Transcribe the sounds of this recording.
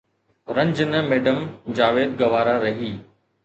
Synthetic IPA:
ɾɐ̃ɲd͡ʑnəmeːɖəmd͡ʑaːʋeːd̪̚ɡɐʋaːɾaɾɐɦiː

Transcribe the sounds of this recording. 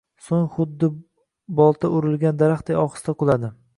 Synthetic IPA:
soŋχʊd̪ːɪ | bɒlˠt̪ʰaʔʊɾɪlˠɡʲand̪aɾaχt̪̚ejɒχɨ̥st̪aqʊlˠad̪ɪ

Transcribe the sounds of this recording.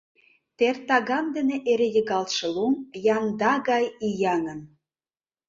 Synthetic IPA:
t̪ert̪ɑɣɑmd̪ə̆nĕʔeɾejə̆ɣɑlt̪ʃɤ̆lomjɑnd̪ɑɣɑjijɑnə̆n

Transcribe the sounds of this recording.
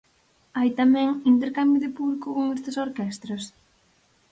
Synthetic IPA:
ajt̪amɛ̃ŋint̪eɾkambjʊðɪpuβlikʊoŋest̪ɪsoɾkɛst̪ɾos

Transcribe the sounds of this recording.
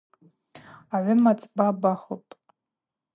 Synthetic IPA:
aʕʷʊmat͡sʼbabaχopʼ

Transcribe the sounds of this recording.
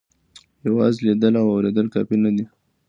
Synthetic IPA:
jawɑzlid̪əlawawɾed̪əlkɑpinad̪i

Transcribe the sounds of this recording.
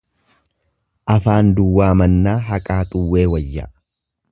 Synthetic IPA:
ʔɐfaːnd̪ʊwːaːmɐnːaːɦɐkʼaːt̪ʼʊwːe̞ːwɐjːa̰

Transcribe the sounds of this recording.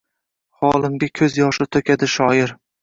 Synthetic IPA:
χɒlˠɪŋɡʲakʲʰɵzjɒʃɪt̪ʰɵkʲʰad̪ɪʃɒjɪɾ

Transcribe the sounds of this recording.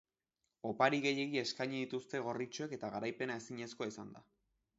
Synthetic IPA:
o̞paɾiɣe̞je̞ɣie̞skaɲiðit̪ust̪e̞ɣ̞o̞rit͡ʃoeke̞t̪aɣaɾajpe̞nae̞siɲe̞sko̞isand̪a

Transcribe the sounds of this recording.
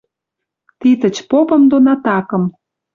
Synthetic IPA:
t̪it̪ə̆t͡ɕpopə̆md̪onɑt̪ɑkə̆m

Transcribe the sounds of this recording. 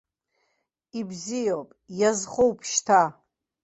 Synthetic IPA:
ibzijowpʼjazχowpʰʃtʰa

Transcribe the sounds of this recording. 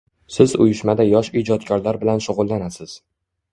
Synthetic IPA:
sɪzʊ̰jʊʃmad̪ajɒʃid͡ʒɒt̪kʲʰɒɾlaɾbɪlanʃʊʁʊlˠːanasɪz̥

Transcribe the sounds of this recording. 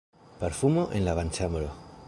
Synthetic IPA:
peɾfumoʔenlaβant͡ʃamɾo

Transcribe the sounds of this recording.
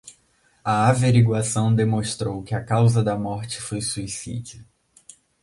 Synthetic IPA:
ɐaveɾiɡwasɐ̃w̃d̪emõʃt̪ɾowkɪɐkawzɐd̪ɐmɔɾt͡ʃɪ̥fojsuisḭd͡ʒɐ

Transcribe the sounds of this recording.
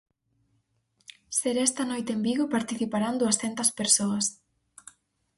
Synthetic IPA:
seɾɛst̪ɐnojt̪embiɣopaɾt̪iθipaɾand̪uɐsθɛnt̪ɐspeɾsoɐs

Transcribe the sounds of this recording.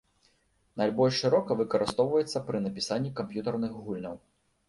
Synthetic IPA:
nalʲbɔlʲʂːɨɾɔkɐvɨkɐɾɨst̪ɔwvɐjɛt̪sːɐpɾɨnɐpʲisanʲːikampjut̪ɐrnɨxɣulʲnɐw

